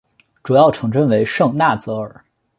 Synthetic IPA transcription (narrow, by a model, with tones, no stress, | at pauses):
ʈ͡ʂu˨˩jɑ˥˩ʊʈ͡ʂʰɤ˧˥ŋʈ͡ʂə˥˧nwe˧˥ɪʂɤ˥˧ŋna˥˩t͡sɤ˧˥ə̰˞˨˩˦